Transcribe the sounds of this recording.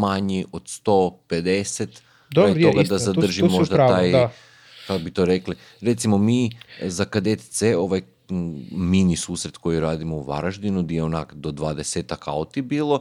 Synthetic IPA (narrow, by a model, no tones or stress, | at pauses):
maɲiʔod̪̥st̪o̞ped̪eset̪ | ajioɡad̪azad̪r̩ʒimːoʒd̪at̪aːj | kakobit̪o̞ɾekli | ɾet̪simo̞mizakad̪et̪t̪seo̞ʋaj | minisuːsɾet̪ko̞jiɾaːd̪imouʋa̰ɾaʒd̪inud̪ieonakd̪o̞d̪ʋad̪eseːt̪aka̰ot̪ibiːlˠo̞